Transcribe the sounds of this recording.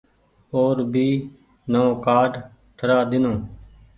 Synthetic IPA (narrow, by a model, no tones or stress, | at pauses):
oːɾbʱiː | nəõːkaːɖ | ʈ̪ʰəɾaːd̪ɪnõː